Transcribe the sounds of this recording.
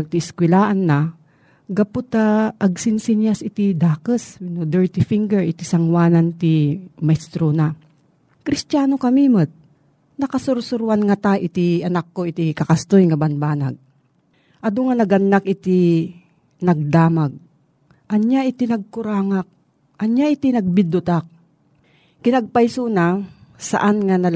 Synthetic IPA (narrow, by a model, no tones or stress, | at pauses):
ɡ̚t̪ɪɪskwɪlaːʔanːa | ɡɐpʊt̪aʔɐɡ̚sɪnsɪnjasɪt̪id̪aːkəswnod̪ɛɹt̪ɪfiŋɡɛɹɪt̪isɐŋwaːnant̪imɐjst̪ɾona | kɾɪst̪aːnokɐmimət̪̚ | nɐkɐsʊɾsʊɾwanŋat̪aʔɪt̪iɐnakːoɪt̪ikɐkast̪ojŋabɐnbaːna̰ɡ̚ | ʔɐd̪oŋanɐɡʔɐnːakʔɪt̪i | nɐɡ̚d̪aːmaɡ̚ | ʔɐnjaʔɪt̪inɐɡ̚kʊɾaːŋak̚ | ʔɐɲjaʔɪt̪inɐɡ̚bɪd̪ʊt̪ak̚ | kɪnaɡ̚pajsunasa̰ʔanŋanɐl